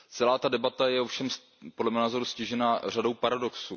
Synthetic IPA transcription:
t͡sɛlaːt̪adɛbat̪ajɛofʃɛms | podlɛmɛnaːzo̞ɾuscɪʒɛnarado̞wpaɾado̞ksṵː

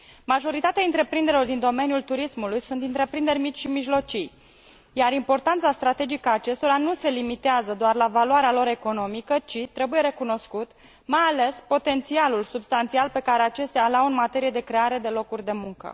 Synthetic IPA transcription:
maʒo̞ɾit̪at̪eaɨnt̪ɾe̞pɾind̪eɾelo̞rd̪ind̪o̞me̞njult̪uɾismulujsunt̪ɨnt̪ɾe̞pɾind̪e̞rʲmit͡ʃʲʃimiʒlo̞t͡ʃij | jaɾimpo̞rt̪ant̪sast̪ɾat̪e̞d͡ʒikaːt͡ʃe̞st̪o̞ɾanuse̞limit̪eazəd̪oarlavaluaɾealo̞ɾe̞ko̞no̞mikət͡ʃit̪ɾe̞buje̞ɾe̞kuno̞skut̪ | majale̞spo̞t̪e̞nt̪sialulsubst̪ant̪sialpe̞kaɾe̞at͡ʃe̞st̪ealawɨnmat̪e̞ɾije̞d̪e̞kɾe̞aɾe̞d̪e̞lo̞kurʲd̪e̞muŋkə̰

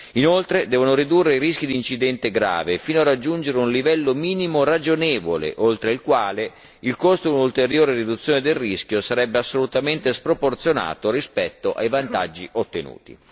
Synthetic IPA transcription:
inolt̪ɾed̪ɛːvonoɾid̪urːeiɾisk̟id̪iːnt͡ʃid̪ɛnt̪eɡɾa̰ːvefiːnoarːad͡ʒːund͡ʒeɾeunlivɛlːomiːnimorad͡ʒonɛːvolḛʔolt̪ɾeilkwaːle | ilkost̪od̪iunult̪eɾjoːɾerid̪ut̪sːjoːned̪errisk̟josaɾɛbːeasːolut̪ament̪espɾoport̪sjona̰ːt̪oɾispɛt̪ːoʔa̰jvant̪a̰d͡ʒːiʔot̪ːenṵːt̪ḭ

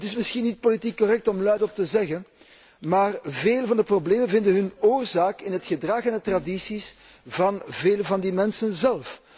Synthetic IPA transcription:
tɪsmɪsxinːit̚politikːɔrɛk̚tɔmlœɥdɔp̚təzɛɣən | maːrveːlvɑndəprobleːmənvɪndənɦɵnoːrzaːkɪnɦətxədrɑxɛndətradisis | vɑnveːlvɑndimɛnsənzɛlˠf

